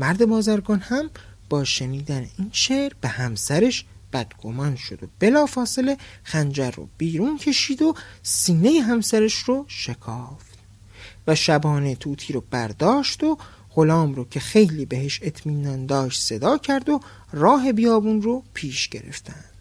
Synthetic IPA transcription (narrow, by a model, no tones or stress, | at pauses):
mæɾd̪e̞bɒːzæɾɡɒːnhæm | b̥ɒːʃe̞niːd̪æne̞̰ʔiːnʃeɾb̥e̞hæmsæɾeʃb̥æd̪̥ɡ̥o̞̰mɒːnʃo̞d̪o̞̰b̥e̞lɒːfɒːse̞le̞xænd͡ʒæɾːo̰b̥iːɾuːncʰe̞ʃiːd̪o̞siːne̞jeɦæmsæɾeʃroʃe̞kʰɒːft̪ | væʃæbɒːnet̪ʰuːt̪ʰiːɾob̥æɾd̪ɒːʃt̪o | ʁo̞lɒːmɾoːcʰe̞xe̞jliːbe̞ɦeʃe̞t̪ʰmiːnɒːnd̪ɒːʃt̪se̞d̪ɒːcʰæɾd̪o | rɒːɦe̞bijɒːbunropʰiːʃɟe̞̰ɾe̞̰ft̪ʰænd̪̥